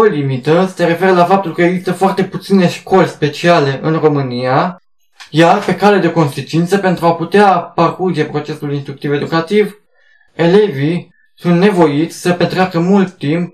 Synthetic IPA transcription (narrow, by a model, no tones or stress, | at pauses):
olimit̪əse̞ɾe̞fe̞ɾəlafap̚t̪ulkəe̞ɡzist̪əfoart̪e̞put̪sine̞ʃko̞lʲspe̞t͡ʃiale̞ʔɨnro̞mɨnia | jarpe̞kaled̪e̞ko̞nsit͡ʃint̪səpe̞nt̪ɾuaput̪eaparkurd͡ʒe̞pɾo̞t͡ʃe̞sulinst̪ɾukt̪ive̞d̪ukat̪iv | e̞le̞vi | sunt̪ne̞vo̞jit̪sʲsəpet̪ɾeakəmult̪ːimp̚